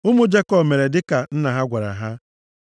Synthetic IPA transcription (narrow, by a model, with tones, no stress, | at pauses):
ʊ˦mʊ˦d͡ʒe˦kɔ˦˨me˨ɾe˨dɪ˦ka˨n̩˦na˨ɦa˦ɡʷa˨ɾa̰˨ɦa˦